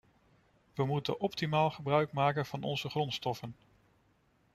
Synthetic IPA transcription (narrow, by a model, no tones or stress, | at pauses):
ʋəmutə̰ʔɔptimaːlˠχəbrœɥkmaːkənv̥ɑnɔ̰nzəχrɔnstɔfən